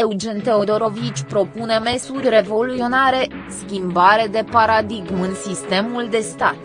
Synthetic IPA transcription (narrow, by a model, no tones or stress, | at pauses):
eud͡ʒent̪e̞o̞d̪o̞ɾo̞vit͡ʃʲpɾo̞pune̞me̞surʲre̞vo̞luio̞naɾe̞skʲimbaɾe̞d̪e̞paɾad̪iɡmɨnsist̪e̞muld̪e̞st̪at̪